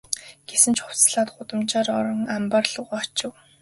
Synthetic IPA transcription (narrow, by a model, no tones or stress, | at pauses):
ɡ̥esɘ̆nt͡ɕʰχʊ̥w̥t͡sɮaːt̪ɢʊt̪ə̆mt͡ɕaːɾɔɾɞ̆ŋamparɮʊʁaɔt͡ɕɪ̆w